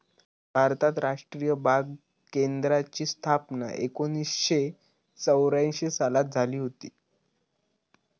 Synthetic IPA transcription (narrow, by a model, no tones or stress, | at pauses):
bʱaɾt̪at̪ɾaʂʈɾijəbʱaɡ | kend̪ɾat͡ɕiːst̪ʰapna̰ʔekoniːsɕe | t͡səwɾãɕesalat̪̚d͡zʱaliːɦot̪iː